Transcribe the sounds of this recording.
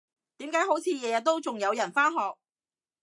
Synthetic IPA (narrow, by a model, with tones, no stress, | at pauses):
t̪iː˨˥mkaː˨˥jho˨˥wt͡sʰiː˨˧jɛː˨˧jɐ˨t̚t̪o˥wt͡sʊ˨ŋjɐ˨˧wjɐ˨˩nfaː˥nɦɔː˨k̚